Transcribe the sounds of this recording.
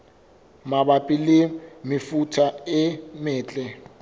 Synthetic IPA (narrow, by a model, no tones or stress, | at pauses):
maɓapʼilimifutʰaɪmɛːt͡ɬʼɛ